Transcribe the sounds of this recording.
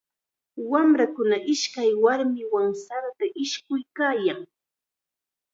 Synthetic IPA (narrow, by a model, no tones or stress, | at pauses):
wamɾakʊnaʔɪʃkajwaɾmɪwaŋsaɾt̪aʔɪʃkʊjkaːjaŋ